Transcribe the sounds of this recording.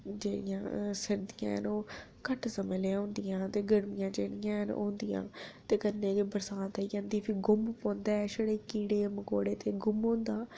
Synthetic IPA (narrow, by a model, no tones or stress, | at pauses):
d͡ʒeːɽɪjãːsəɾd̪ijã̰ːə̰noː | kəʈsəmeːleɦõːnd̪ijãːt̪eːɡəɽmijãːd͡ʒeːɽɪjãːnõ̰ːnd̪ijã̰ːt̪eːkənːẽːkːbəɾsãːt̪aiːãːnd̪iːpʰɪɡʊmpõːnd̪ɛːʃəɽeːkiːɽeːməko̰ːɽeːt̪eːɡʊmɦõːnd̪aː